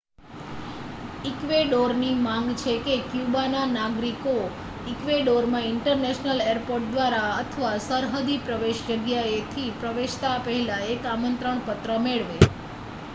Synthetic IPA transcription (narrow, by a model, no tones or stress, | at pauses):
ikʋeɖoɾnimãŋɡt͡ʃʰekekjubananaɡɾiko | ikʋeɖoɾmãɪɳʈəɾneʃnəleəɾpoɾʈ̚d̪ʋaɾaət̪ʰəʋasəɾɦəd̪ʱipɾəʋeʃd͡ʒəɡjaet̪ʰipɾəʋeʃt̪apəɦɛlaekamənt̪ɾəɳpət̪ɾəmeɭʋe